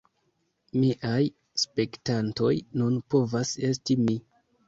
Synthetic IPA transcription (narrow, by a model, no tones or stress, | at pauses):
miʔaj | spe̞ktanto̞jnunpo̞vase̞stimi